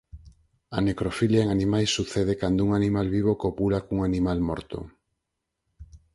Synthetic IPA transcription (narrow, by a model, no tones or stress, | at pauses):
anekɾofiljaeŋanĩmajsːuθeð̞ekand̪ouŋanĩmalβiβokopulakuŋanĩmalmɔ̰ɾt̪o̰